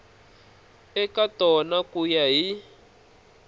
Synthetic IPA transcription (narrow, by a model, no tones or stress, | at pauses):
ɛkatɔnakujaɦi